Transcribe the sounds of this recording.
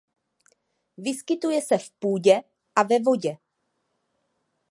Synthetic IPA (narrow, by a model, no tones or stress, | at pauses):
vɪskɪt̪ujɛsɛfpuːɟɛ | ʔavɛvo̞ɟɛ